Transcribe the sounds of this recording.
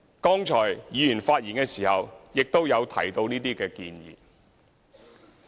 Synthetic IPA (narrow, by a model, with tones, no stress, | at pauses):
kɔː˥ŋt͡ʃʰɔː˨˩jjiː˨˧jyː˨˩nfaː˧t̚jiː˨˩nkɛː˧siː˨˩hɐ˨wjɪ˨k̚t̪o˥wjɐ˨˧wt̪ʰɐ̰˨˩jt̪o˧wniː˥t̪iː˥kɛː˧kḭː˧njḭː˨˩